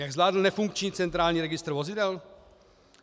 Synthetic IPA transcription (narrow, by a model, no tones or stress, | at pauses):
jaɡzlaːdl̩nɛfuŋkt͡ʃɲiːt͡sɛnt̪ɾaːlɲiːɾɛɡɪst̪ɾ̩vozɪdɛl